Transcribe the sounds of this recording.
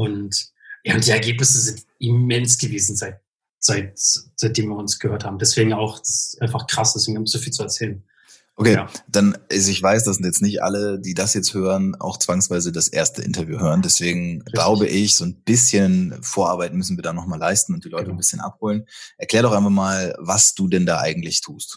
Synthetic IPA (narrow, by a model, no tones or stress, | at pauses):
ʔʊnt | jaːʊnt̚d̥iːɛɐɡeːpnɪsəzɪntʔimɛnsɡ̥əveːzn̩zaɪt̚ | z̥aɪt̚z̥aɪt̚d̥eːmviːɐʊnsɡ̥əhøːɐthaːbm̩dɛsv̥eːɡŋ̩aʊxd̥asʔaɪnfaχkʁ̥asɪstʊnɡhapsz̥oːfiːlt͡suɛɐt͡sɛːlən | ʔokʰeːad̥anʔazɪçv̥aɪs̬d̥aszɪntjɛt͡stnɪçtʔa̰lədiːdasjɛt͡sthøːʁəna̰ʊxt͡sv̥aŋsv̥aɪzədasʔḛːɐstəʔɪ̰ntɐvjṵːɦøːʁəndɛsv̥eːɡŋ̩ɡlaʊbəʔɪçz̥oːnb̥ɪsçənfoːɐʔaɐbaɪtn̩mʏsn̩viːɐdaːnɔχmaːlaɪstn̩ʊnt̚d̥iːlɔʏtənbɪsçənʔa̰phoːlənʔɛɐkl̥ɛːɐdɔχxaɪnfaχmaːlvasd̥uːdɛnda̰ːʔa̰ɪɡŋ̩tlɪçtʰuːst